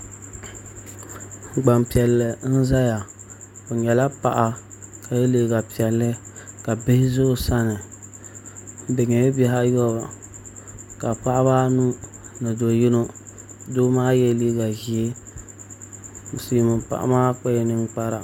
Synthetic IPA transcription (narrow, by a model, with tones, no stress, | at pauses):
ɡ͡ba˨mpi˨ɛ˨lːɨ˨n̩˦za˦ja˨ | o˨ɲɛ˨la˦pa˨ʔa˦ | ka˨je˦le˦˨ɡa˨pi˨ɛ˨lːɨ˦ka˨bɪ˦hɪ˦zʊ˦sa˦nɪ˨˦ | dɪ˨ɲɛ˨je˦bɛ˦ɦa˦jɔ˦ba˨ | ka˨k͡pa˦ʔa˦baː˦nu˦nɨ˨do˨ji˦no˦ | doː˦maː˦jɛ˦li˦ɡa˨ʒi˨e˦˨ | si˨mɨ˨pa̰˨ʔa̰˨maː˦k͡pa˦jɛ˨nɨ˦n˦k͡pa˦ɾa˨